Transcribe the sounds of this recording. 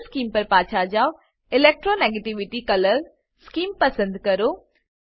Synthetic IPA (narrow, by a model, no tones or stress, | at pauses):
skiːmpɐɾpaːt͡ʃʰad͡ʑaːo | ɪleːk̚ʈɾoneːɡeʈiʋɪʈikɐləl | skiːmpɐsə̃nd̪kɐɾoː